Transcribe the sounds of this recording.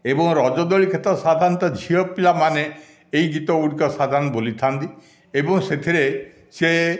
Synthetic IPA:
ebɔŋɾɔd͡ʒɔd̪ɔɭikʰet̪ɔsad̪ʱant̪ɔd͡ʒʱiɔpilamane | ejɡit̪ɔuɽikɔsad̪ʱanɔbolit̪ʰant̪i | ebɔŋset̪ʰiɾe | se

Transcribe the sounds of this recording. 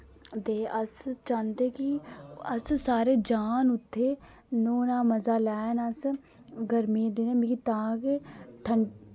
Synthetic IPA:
d̪eːəst͡ʃãːnd̪eːkiəssaːɾeːd͡ʒaːnʊt̪ʰːeː | noːnãːməzaːlɛːnəs | ɡəɾmiːd̪eːneːmikit̪ãːkeːʈʰəɳ

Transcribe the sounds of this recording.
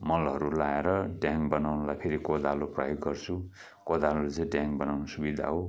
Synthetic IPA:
mʌlʌɾulaeɾʌɖjaŋbʌnawnʌlajpʰeɾikod̪alopra̰joɡːʌrt͡sʰu | kod̪alot͡sʌ̃ɖjaŋbʌnawnʌsubid̪ʱa̰ɦo

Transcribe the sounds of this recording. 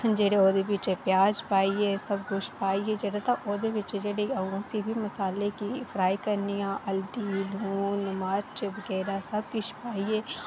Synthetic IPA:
d͡ʒeːɽeoːd̪ebit͡ʃepjaːd͡ʒpaːieːsɐbɡʊʃpaːied͡ʒeɽat̪aʔoːd̪ebit͡ʃed͡ʒeɽeɐɡõsibʱimɐsaːlekifʰɾaːikɐɾnijãʔɐld̪iluːnmaɾt͡ʃʋɐɡɛːɾasɐbkɪʃpaːieː

